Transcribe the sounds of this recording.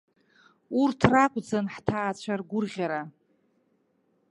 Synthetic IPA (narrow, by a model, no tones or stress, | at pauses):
urtʰrakʷʼd͡zanħtʰaːt͡ɕʷʰarɡʷʊrʁʲaɾa